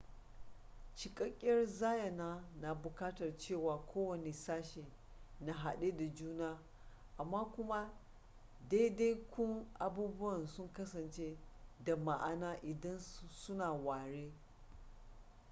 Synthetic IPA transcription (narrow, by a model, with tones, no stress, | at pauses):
t͡ʃɪ˨kʼɐ˦kʲʼːɐ˦rzaː˦jɐ˨naː˦na˨bʊ˨kaː˦tɐ˨rt͡ʃeː˦˨waː˨kʷʰoː˦wɐ˨ne˨saː˦ʃe˨ | na˨ɦa˨ɗeː˦da˨d͡ʒuː˦naː˦ | ʔa˨mːaː˦kʷʊ˦ma˦ | da˦da˦jkʷʊ˦ŋʔa˨buː˦bʊ˦wɐ˨nsʊ˦ŋkɐ˦sɐ˨nt͡ʃe˦da˨ma˨ʔa˨naː˦ʔɪ˨dɐ˦nsʊ˦naː˨waː˨ɽeː˦